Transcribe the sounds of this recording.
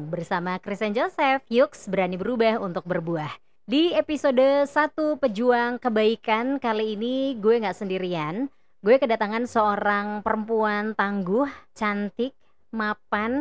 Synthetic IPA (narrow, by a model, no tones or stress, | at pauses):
bərsamakɾist̪ɛnd͡ʒosɛfjʊksbəɾanibəɾubaɦunt̪ʊk̚bərbuah | diepisodəsat̪upəd͡ʒuaŋkəbaikankaliːniɡuɛŋɡaʔsəndiɾian | ɡuɛkədat̪aŋansəoɾaŋpəɾəmpuant̪aŋɡʊht͡ʃant̪ɪk̚ | mapan